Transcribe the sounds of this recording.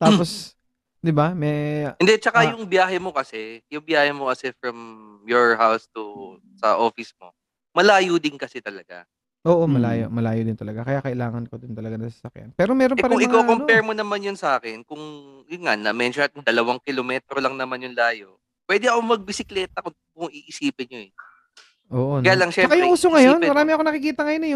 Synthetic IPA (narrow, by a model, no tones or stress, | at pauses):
t̪aːpos | d̪ɪbamɛɪnd̪ɛt͡ʃɐkajʊŋbjaːɦɛmo̞kɐsɛjʊŋbjaːhɛmokɐsɛfɹɐm | joɹhawst̪ʊ | sɐ̰ʔoːfɪsmo̰ | mɐlaːjʊd̪ɪnkɐsɛt̪ɐlɐɡa̰ | ʔoːʔomɐlaːjo̰ʔmɐlaːjod̪ɪnt̪ɐlɐɡakɐjakɐʔɪlaːŋɐnkod̪ʊnt̪ɐlɐɡanɐsɐ̥sɐkja̰npɛːɾo̞mɛːɾonpɐɾɐŋɪŋkoːkomopɛɹmonɐmanjʊnsɐʔaːkɛnkʊŋjʊnŋanɐmɛnʃat̪ɪnd̪ɐlɐwaŋkɪlomɛt̪ɾolɐŋnɐmanjʊŋlaːjoʔ | pwɛd̪ɪɐkomɐɡ̚bɪsɪklɛːt̪ɐko | kʊŋiʔɪsiːpɪnɲoɛ | ʔoːʔokɐjaːlɐŋʃɛsɐkɐjʊŋuːsoŋɐjonmɐɾaːmɪʔɐkonɐkɪkiːt̪ɐŋɐjonɐjo